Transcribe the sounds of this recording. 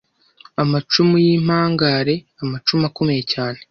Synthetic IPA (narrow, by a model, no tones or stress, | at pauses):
amat͡ʃumujiːm̥aːŋɡaɾe̞ | amat͡ʃumakumejecaːne